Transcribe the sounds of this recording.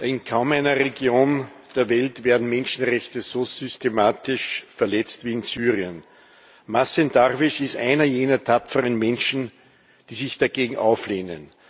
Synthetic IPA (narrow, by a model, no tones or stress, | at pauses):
ɪnkʰaʊmæɪnɐʁeɡjoːnd̥eːɐvɛltv̥eːɐdn̩mɛnʃn̩ʁɛçtəzozʏstemaːtɪʃfɛɐlɛt͡stviːɪnzyːʁiən | masɛndaʁvɪʃɪstʔaɪnɐjeːnɐtʰapp͡fəʁənmɛnʃn̩ | d̥iːsɪçd̥aɡeːɡŋ̩ʔa̰ʊfleːnə̰n